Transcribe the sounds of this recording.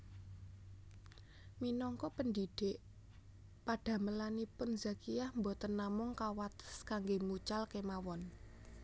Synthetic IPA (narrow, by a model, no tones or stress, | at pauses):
minɔŋkɔpəndiɖ̥eʔ | paɖ̥a̤məlanipʊnzakijahmbɔt̪ənːamʊŋkawat̪ə̥skaŋɡemut͡ʃalkemawɔn